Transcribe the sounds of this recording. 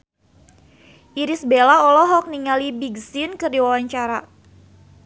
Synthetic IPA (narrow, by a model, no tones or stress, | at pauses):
ʔiɾisbelaɔlɔɦɔk̚niŋalibiɡsinkərdiwawaɲt͡ʃaɾa